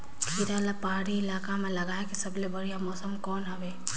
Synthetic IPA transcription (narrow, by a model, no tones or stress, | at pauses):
kʰiɾalapaɦaɾiɪlaːkamẽlɐɡaːekisɐblebɐɾijamɔːsəmkɔːnɦɐʋeː